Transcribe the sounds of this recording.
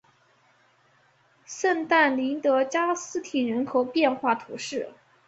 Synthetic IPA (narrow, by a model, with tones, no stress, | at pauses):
sə˥˧nt̪a˥˩nli˧˥nt̪ɤ˧˥t͡ɕja˥sɹ̩˥t̪ʰi˨˩nɻə˧˥nkʰo˨˩ʊpjɛ˥˧nxwa˥˩t̪ʰṵ˧˥ʂɻ̩˥˩